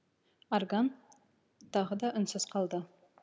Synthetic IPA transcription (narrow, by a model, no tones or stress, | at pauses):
orɡan | t̪ʰɑʁəd̪ɑʔʏnsɪz̥qʰɑlˠd̪ə